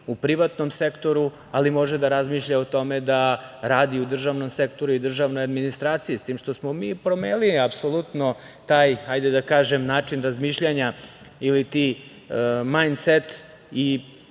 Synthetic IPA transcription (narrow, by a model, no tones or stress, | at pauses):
upɾiʋat̪no̞msekt̪o̞ɾu | alimo̞ʒed̪aɾazmiːʃʎaot̪o̞med̪aɾaːd̪iud̪r̩ʒaʋno̞msekt̪o̞ɾuid̪r̩ʒaʋnojad̪minist̪ɾaːt̪sijist̪iːmʃt̪o̞smomiːpɾomeːliapsolˠut̪no̞ | t̪aːjhajd̪ed̪akaːʒemnaːt͡ʂinɾazmiːʃʎaɲa | ilit̪i | majnset̪ | i